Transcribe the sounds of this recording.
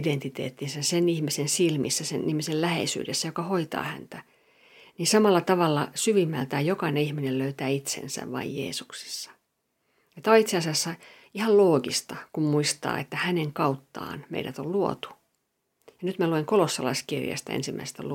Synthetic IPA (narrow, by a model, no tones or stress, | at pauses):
dent̪it̪ḛːt̪ːinsesenihmisensilmisːæsenḭhmisellæhḛisy̰ːdesːæjokɑhoit̪ɑ̰ːhæ̰nt̪æ | niːnsɑmɑlːɑt̪ɑʋɑlːɑsyʋimːæ̰lt̪æːjjokɑineihminelløyt̪æːit̪sḛnsæ̰ʋʋɑ̰ijjḛːsuksi̥sːɑ̥ | ɑt̪ːæoit̪seɑsiɑsːɑ | ihɑlloːɡist̪ɑkummuist̪ɑ̰ːḛt̪ːæhæneŋkɑut̪ːɑ̰ːnmḛiɾæt̪olluo̰t̪u̥ | jɑnyt̪mælueŋkolosːɑlɑ̰iskirjɑ̰st̪æ̰ḛnsimːæ̰ise̥st̪ælu